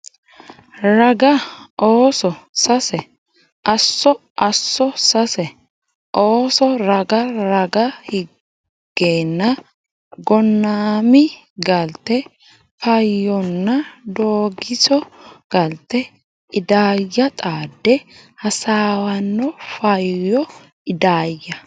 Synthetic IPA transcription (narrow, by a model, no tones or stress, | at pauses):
ɾɐɡɐʔoːsɔsɐsɛ | ʔɐsːɔ | ʔɐsːɔsɐsɛ | ʔoːsɔɾɐɡɐɾɐɡɐhɪ | ɡ̥ːeːnːɐ | ɡɔnːaːmɪ | ɡɐlt̪ːɛ | fɐjːɔnːɐd̪oːɡɪsɔɡ̥ɐlt̪ːɛ | ɪd̪aːjːɐt̪ʼaːd̪ːɛhɐsaːwɐnːɔfɐjjɔ | ɪd̪aːjːɐ